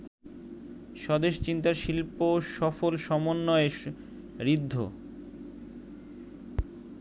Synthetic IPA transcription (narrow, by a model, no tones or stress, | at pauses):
ʃɔd̪eʃt͡ɕint̪aɾʃilpoʃɔfolʃɔmonːɔe | ɾid̪ʱːo̰